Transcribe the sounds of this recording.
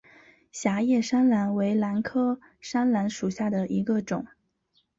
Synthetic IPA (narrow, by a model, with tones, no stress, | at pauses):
ɕja˧˥jɛ˥˩ʂa˥nla˧˥nwe˧˥ɪla˧˥nkʰɤ˥ | ʂa˥nla˧˥nʂu˨˩ɕja˥˩d̪ə˩ʔi˧˥ɡə˧ʈ͡ʂʊ˨˩˦ŋ